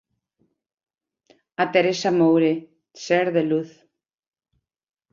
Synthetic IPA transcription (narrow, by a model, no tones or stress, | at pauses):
at̪eɾesamowɾe | seɾðeluθ